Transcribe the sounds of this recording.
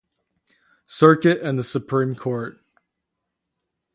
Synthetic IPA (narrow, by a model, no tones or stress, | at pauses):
sɜ˞kɨɾɨ̃nðəsɨpʰɹ̥ĩmkʰɔɹt̚